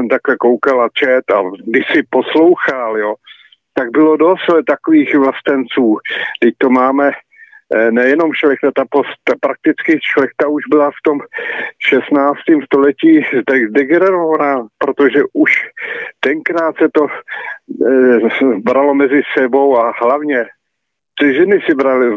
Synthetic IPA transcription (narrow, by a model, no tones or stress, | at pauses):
ɛmt̪aklɛkowkalat͡ʃɛt̪a̰ɡdɪʃsɪposlo̞wxaljo | t̪aɡ̚bɪlo̞dost̪t̪akoviːxvlast̪ɛnt͡suːdɪc̚t̪omaːmɛ | nɛjɛno̞mʃlɛxt̪at̪apost̪t̪apɾak̚t̪ɪt͡skɪʃlɛxt̪auʒbɪlaft̪o̞mʃɛst̪naːt͡st̪iːmst̪o̞lɛciːzd̪ɛɣzdɛɡɛnɛɾovanapɾot̪oʒɛʔuʃt̪ɛŋkɾaːt̪sɛt̪o̞ | bɾalo̞mɛzɪsɛbo̞waɦlavɲɛ | r̥ɪʒɛnɪsɪbɾalɪ